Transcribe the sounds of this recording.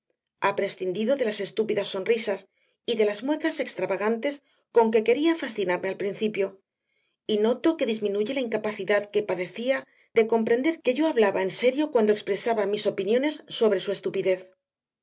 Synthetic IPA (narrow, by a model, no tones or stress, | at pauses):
apɾe̞sθind̪iðoðe̞lase̞st̪upiðasːo̞nrrisas | iðe̞lazmwe̞θase̞kst̪ɾaβaɣ̞ant̪e̞s | ko̞ŋke̞ke̞ɾiafasθinaɾme̞alpɾinθipjo̞ | ino̞t̪o̞ke̞ðizmĩnuʝe̞laiŋkapaθiðaðke̞paðe̞θia | ðe̞ko̞mpɾe̞nd̪eɾke̞ʝo̞aβlaβae̞nse̞ɾjo̞kwand̪okspɾe̞saβamiso̞pinjõ̞ne̞sːo̞βɾe̞sue̞st̪upiðe̞θ